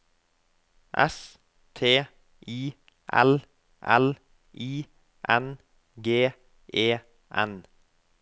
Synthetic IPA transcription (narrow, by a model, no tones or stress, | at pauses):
ʔɛ̰s | t̪ʰeː | ʔiː | ʔɛ̰l | ʔɛ̰l | ʔiː | ʔɛn | ɡeː | ʔeː | ʔɛ̰n